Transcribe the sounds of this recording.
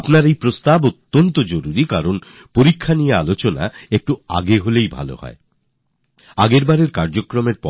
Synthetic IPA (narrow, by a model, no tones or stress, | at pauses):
pnaɾejpɾost̪abot̪ːont̪od͡ʑoɾuɾikaɾon | poɾikʰːanijealot͡ɕona̰ek̚ʈua̰ɡeɦolejbʱa̰lo̰hɔ̰e | aɡeɾbaɾeɾkaɾd͡ʑokɾomeɾpɔ